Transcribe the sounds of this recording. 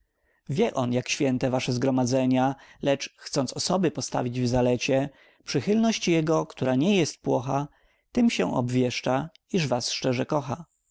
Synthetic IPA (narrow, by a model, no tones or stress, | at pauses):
vʲjɛʔɔnjakɕfʲjɛnt̪ɛvaʂɛzɡɾɔmad̪zɛɲalɛt͡ʂxt̪sɔntsɔsɔbɘpɔst̪a̰vʲid͡ʑvzalɛt͡ɕɛ | pʂɘxɘlnɔɕt͡ɕjɛɡɔkt̪uɾaɲɛjɛst̪̚pwɔxa | t̪ɘmɕɛ̰̃ʔɔ̰bvʲjɛʂt͡ʂa | iʐvasʂt͡ʂɛʐɛkɔxa